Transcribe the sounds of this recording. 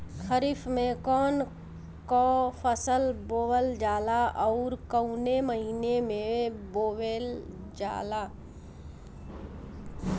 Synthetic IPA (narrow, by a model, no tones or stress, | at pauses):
kʰəɾifʰmẽkɔːn | kopʰəsəlboːwəld͡ʒaːlaɔʊɾkəʊneməɦiːnemẽboːwel | d͡ʒa̰ːla